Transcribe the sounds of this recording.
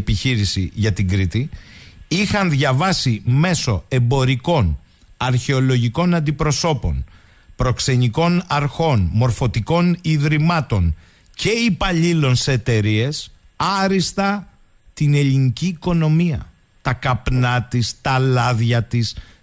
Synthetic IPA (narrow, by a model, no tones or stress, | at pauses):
piçiɾisḭʝɐt̪iŋɡɾit̪i | ixɐnðʝɐvɐsime̞so̞e̞mbo̞ɾiko̞n | ɐɾçe̞o̞lo̞ʝiko̞nɐnd̪ipɾo̞so̞po̞̰n | pɾo̞kse̞ɲiko̞nɐɾxo̞nmo̞ɾfo̞t̪iko̞niðɾimɐt̪o̞n | ce̞ipɐʎilo̞nseːt̪e̞ɾie̞s | ɐɾist̪ɐ | t̪ine̞ʎiniciːko̞no̞miɐ̰ | t̪ɐkɐpnɐt̪ist̪ɐlɐðʝɐt̪is